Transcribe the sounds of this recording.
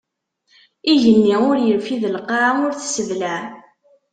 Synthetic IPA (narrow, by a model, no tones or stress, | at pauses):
iʝənːiʊɾjəlfiðəlqːɑʊɾθsəðlaʕ